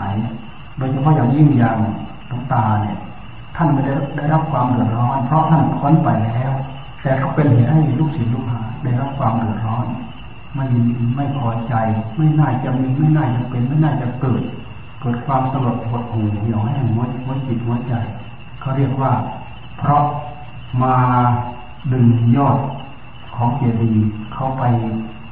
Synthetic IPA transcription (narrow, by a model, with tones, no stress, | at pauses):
jni˧˩ | doː˧jt͡ɕʰa˧pʰɔ˧˥˨jaː˨˩ŋji˧˩˨ŋjaː˧˩ŋ˨ | t̪ɔ˨˦ŋt̪aː˧˩ni˧˩ə | t̪ʰa˥˩nma˧˥˩da˥˩jada˥˩jɾa˦˥p̚kʰwaː˧mdɯ˨˩ət̪̚ɾɔː˦˥˨npʰɾɔ˧˦˥t̪ʰa˥˩nkʰɔ˧˥˨npa˨˩jlɛː˦˥˩w | t̪ɛː˨˩kʰa˧˩wpe˧nhe˨˧˦t̚ha˥˩jluː˥˩k̚si˨˦luː˧˩k̚haː˨˦da˧˥˩jɾa˦˥p̚kʰwaː˧mdɯ˨˩ət̪̚ɾɔː˦˥˨n | ma˧˩jma˥˩jkʰɔː˧˩˦t͡ɕa˧jma˧˥˩jnaː˥˩t͡ɕa˨˩ʔmiː˧ma˧˥˩jnaː˥˩t͡ɕa˨˧˩pe˧˨nma˥˩jnaː˥˩t͡ɕa˨˩kɤː˨˩t̪̚ | kɤː˨˩t̪̚kʰwaː˧msa˧ɾu˨˩ət̪̚hoː˧˩t̪̚hu˨˩hi˧˨˩wha˥˩˨a˧˩jmu˧˦˧huː˧˦t͡ɕi˨˩t̪̚hu˧˦ət͡ɕa˧j | kʰa˧˥˩wɾi˥˩ək̚waː˧˥˩ | pʰɾɔ˦˥ʔ | maː˧ | dɯ˨˩ŋjɔː˧˥˩t̪̚ | kʰɔː˩˦ŋkeː˨˧˩diː˧kʰa˧˥˩wpa˧j